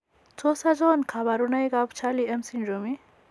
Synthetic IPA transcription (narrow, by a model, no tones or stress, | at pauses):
t͡soːsad͡ʒɔnkʰabaɾunajɡapt͡ʃʰaːliɐmsinɾomi